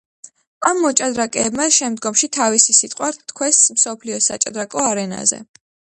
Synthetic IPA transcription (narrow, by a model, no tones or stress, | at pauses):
amːɔt͡ʃʼad̪ɾakʼɛːbmaʃɛmd̪ɡɔmʃit̪ʰavisisit̪ʼqʼwaɾt̪ʰkʰwɛsmsɔpʰliɔsat͡ʃʼa̰d̪ɾakʼɔaɾɛna̰zɛ̰